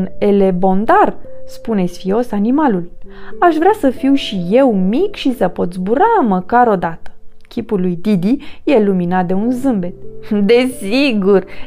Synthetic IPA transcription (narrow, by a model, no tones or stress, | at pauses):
ne̞le̞bo̞nd̪arspune̞sfio̞sanimalulaʃvɾeasəfiwʃije̞wmikʃisəpo̞t̪sbuɾaməkaɾo̞d̪at̪ə̥ | kʲʰipulːujd̪id̪ijeluminat̪̚d̪e̞unzɨmbe̞t̪̚d̪e̞siɡur